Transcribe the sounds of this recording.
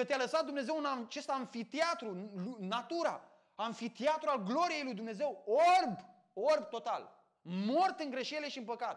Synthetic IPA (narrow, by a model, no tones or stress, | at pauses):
kət̪ealəsat̪̚d̪umne̞ze̞wɨnat͡ʃe̞st̪aɱfit̪eat̪ɾulunːat̪uɾa̰ | aɱfit̪iat̪ɾualɡlo̞ɾije̞jlujd̪umne̞ze̞worb | orbt̪o̞t̪al | mo̞rt̪ɨŋɡɾe̞ʃe̞le̞ʃiɨnpəkat̪